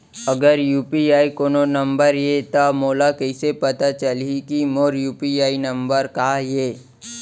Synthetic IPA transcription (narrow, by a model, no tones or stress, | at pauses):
ɐɡəɾjuːpiaːikoːnonɐ̃mbəɾjet̪amoːlakɛɪsepɐt̪at͡ʃəlikimoːɾjuːpiaːinɐ̃mbəɾkajeː